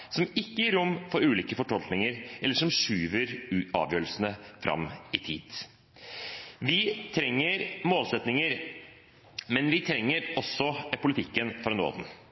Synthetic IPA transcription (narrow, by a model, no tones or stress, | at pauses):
sɔmɪkːəjiːɾʊmːfɔɾʉːliːkəfɔʈʰɔlknɪŋəɾʔɛlːəʂɔmʂʉːʋəɾɑ̰ːʋjøːɾəlsənəfɾɑ̰mːɪt̪ʰiːd̪̥ | ʋɪt̪ʰɾɛŋːəɾmoːlsɛt̪nɪŋəɾ | mɛnʋɪt̪ʰɾɛŋːəɾɔsːɔpʰʊlɪt̪ʰɪkːənfɾɑno̰ːd̪ən